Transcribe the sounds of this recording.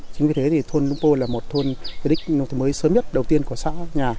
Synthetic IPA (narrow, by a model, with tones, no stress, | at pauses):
t͡ɕï˨˦ŋ̟vi˨˩t̪ʰe˨˦t̪ʰi˨˩t̪ʰo˧nlʊ˧ŋ͡mpo˧laː˨˩mo˨˩t̚t̪ʰo˧nvi˧˦ɗï˦˥k̟̚n˧ŋ͡mt̪ʰməː˨˦jsəː˨˦mɲə˦˥t̚ɗə˨˩wt̪i˧ənku˧˩əsa̰ː˧˥ɲaː˨˩